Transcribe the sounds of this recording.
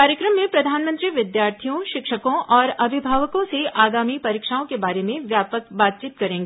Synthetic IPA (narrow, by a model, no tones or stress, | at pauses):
aːɾjəkɾəmːẽpɾɐd̪ʱaːnmə̃nt̪ɾiʋɪd̪jaːɾt̪ʰijõʃɪkʃəkõʔɔːɾɐbʱɪbʱaːʋəkõseʔaːɡaːmipɐɾiːkʃaːõkebaːɾemẽʋjaːpəkbaːt̪̚t͡ʃiːt̪kɐɾẽːŋɡeː